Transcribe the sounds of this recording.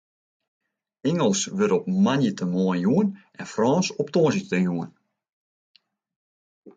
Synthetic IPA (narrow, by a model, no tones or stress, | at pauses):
ɪŋəlˠsʋøɾɔpmanjətʰəmɔənjuənʔɛnfrɔːnsɔptoəzjətəjuən